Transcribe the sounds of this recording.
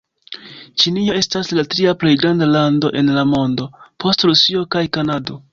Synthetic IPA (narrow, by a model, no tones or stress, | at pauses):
t͡ʃinio̞e̞staslatɾiaple̞jɡɾandalando̞ʔe̞nlamo̞ndo̞pʰo̞stɾusio̞kajkanado̞